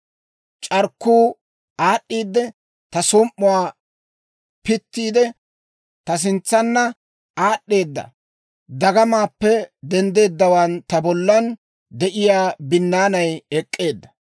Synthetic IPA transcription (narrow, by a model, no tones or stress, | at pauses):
t͡ʃʼɐɾkːuː | aːɗːiːd̪ːɛ | t̪ɐsɔmʔːʊwaː | pɪt̪ːiːd̪ɛ | t̪ɐs̬ɪnt͡sːɐnːɐ | aːɗːe̞ːd̪ːɐ̰ | d̪ɐɡɐmaːpːɛd̪ɛnd̪e̞ːd̪ːɐwant̪ɐbɔlːɐn | d̪ɛʔɪjaːbɪnːaːnɐjɛkʼːe̞ːd̪ːɐ̥